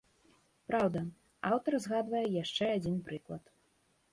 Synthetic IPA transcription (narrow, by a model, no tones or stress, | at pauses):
pɾawd̪ɐ | awt̪ɐrzɣad̪vɐjɛjaʂt͡ʂɛad͡zʲinpɾɨklˠɐt̪